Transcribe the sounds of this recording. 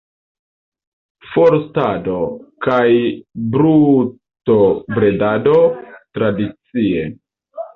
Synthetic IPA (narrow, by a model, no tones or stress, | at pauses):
foɾstado̞kajbɾu | tobɾe̞dado̞tɾadit͡sie̞